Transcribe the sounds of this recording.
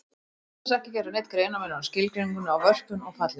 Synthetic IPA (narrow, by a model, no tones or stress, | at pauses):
ɛs̬ɛhcɪcɛɾʏnejt̪kɾeːjnamɛnascɪlkɾiŋkʏnawvœr̥pʏnɔɣfat̪lɪ